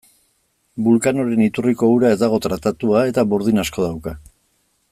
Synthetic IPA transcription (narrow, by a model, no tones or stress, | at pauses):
bulkano̞ɾe̞nit̪uriko̞uɾae̞zd̪aɣ̞o̞t̪ɾat̪at̪uae̞t̪aβoɾðinasko̞ð̞awka